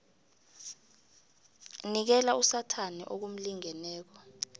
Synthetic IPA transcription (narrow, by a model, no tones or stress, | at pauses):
nik̬ɛlausatʰanḭʔok̬um̩liŋɛnɛːk̬ɔ